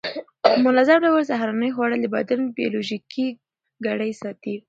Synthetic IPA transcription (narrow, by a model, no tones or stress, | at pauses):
mʊlɑzablawalzaɦɾɑnəjxwɑɽald̪əba̰d̪anbijo̰loʒiki | ɡaɽəjsɑt̪i